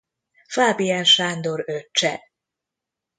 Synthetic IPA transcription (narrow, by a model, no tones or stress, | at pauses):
faːbijɛnʃaːnd̪o̞ɾøt͡ʃɛ